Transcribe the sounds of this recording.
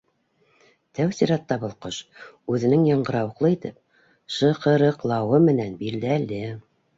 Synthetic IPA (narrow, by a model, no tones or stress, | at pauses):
t̪æwsiɾɑt̪ːɑβɤ̆lˠqoʃʉðɘ̆nɘŋjɑɴɢɤ̆ɾɑwɤ̆qlˠɤit̪ɘp̚ | ʃɤ̆qɤ̆ɾɤ̆qlˠɑwɤmɘ̆nænbild̪ælɘ